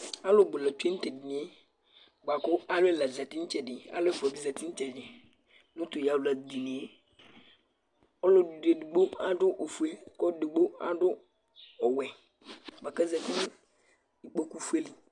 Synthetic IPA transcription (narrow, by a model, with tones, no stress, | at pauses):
a˦lʊ˦˨ɡ͡bʊ˨la˨tu˦e˦n̩˦tɛ˨dɪ˨nɪ˨e˦ | ɡ͡ba˨kʊ˦a˦lʊ˦ɛ˦˨la˨za˨tɪ˦n̩˦t͡ʃɛ˨dɪ˨a̰˦lʊ˦ɛ˦˨fu˨a˨bi˨za˨tɪ˦n̩˦t͡ʃɛ˨dɪ˨ | nʊ˦tʊ˨ja˨ʊ˨la˨di˨nɪ˨e˦ | ɔ˦lʊ˦du˨de˨dʊ˨ɡ͡bo˦a˦dʊ˦ʔo˨fu˨e˦kɔ˦dɪ˨ɡ͡bo˦a̰˦dʊ˦ | ɔ˨wɛ˨ | ba˨ka˦zɛ˨tɪ˦n˦ | i˨k͡po˦ku˦fu˦e˦li˨